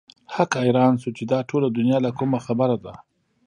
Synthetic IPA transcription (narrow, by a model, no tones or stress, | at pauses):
hakɑjɾɑnʃut͡ʃed̪ɑʈʰolad̪ʊnjɑlakumaxabəɾad̪a